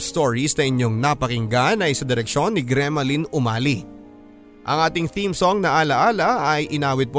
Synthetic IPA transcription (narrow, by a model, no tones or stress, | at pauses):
st̪oɹisnɐʔɪɲo̞ŋnɐpɐkɪŋɡanɐjsɐd̪ɪɾɛkʃo̞nːɪɡɾɛmɐlinʊmaːli | ʔɐ̰ŋʔaːt̪ɪŋθimsoŋnɐʔaːlɐʔaːlɐʔːjʔɪnaːwɪd̪̚po